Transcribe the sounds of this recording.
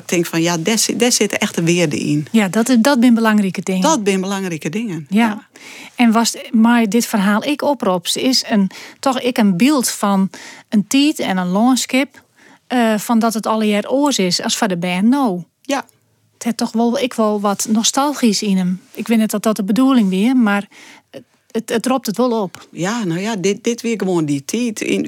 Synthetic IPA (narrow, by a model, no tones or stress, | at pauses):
ɪk̚tʰɪŋkfɔnjadɛsdɛsɪtəɛxtəʋɪərdə̰ḭnjadɔtdɔt̚bɪnbəlaŋrikədɪŋəɔt̚bɪnbəlaŋrikədɪŋənja | ɛnʋɔsmɛjdɪtfərɦaːlˠɪkʰopropsɪsəntɔxɪkənbilˠtfɔnəntiːtɛnənlɔːənskɪp̚ | əfɔndɔtətɔlˠəjɛːroəsɪsɔsfɔdəbɛːnnːoː | əthɛtɔxʋolˠɪkʰʋɔlˠʋɔtnɔstalˠxisinəmɪkʋɪnɛt̚dɔt̚dɔtəbəduəlˠɪŋʋiəmar | əətrop̚tətʋolˠopjanojadɪdɪtʋiɪkəʋoənditʰiːtḭn